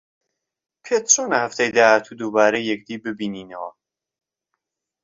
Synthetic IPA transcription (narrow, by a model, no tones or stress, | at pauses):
pʰet̪t͡ʃonɐhæft̪ʰɐjd̪aːhat̪ʰuːd̪ubaːɾɛjːɛk̚d̪iːbɨbiːniːnɐwɐ